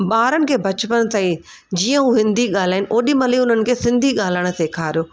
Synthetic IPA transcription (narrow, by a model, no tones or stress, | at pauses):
ɓaːɾənɪ̆kʰeːbʱɐt͡ɕpənt̪ai | d͡ʑiːə̃ũːɦɪ̃nd̪iɠaːl̤aːɪnɪ̆ʔoːɗimɐliʊnənɪ̆kʰeːsɪ̃nd̪ʱiɠaːl̤əɽ̃ʊ̆seːkʰaːɾijoː